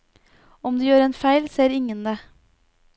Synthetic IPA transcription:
ɔmd̪iːjøːɾɛːnfæɪlseːɾɪŋənd̪eː

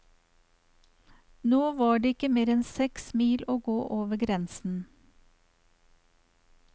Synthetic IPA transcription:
noːʋɑːɖeːɪkəmeːɾɛnsɛksmiːloːɡoːʔoːʋəɡɾɛnsn̩

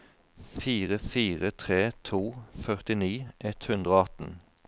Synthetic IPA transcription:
fiːʁəfiːʁət̪ʰʁeːt̪ʰuːfœʁt̪ɪniːʔɛt̪hʉnd̪ʁoːɑt̪n̩

